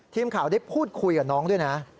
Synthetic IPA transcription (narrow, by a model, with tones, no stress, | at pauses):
t̪ʰiː˧mkʰaː˨˩˦wda˥˩jpʰuː˥˩t̪̚kʰu˧jka˨˩nɔː˦˥ŋdu˥˩jna˦˥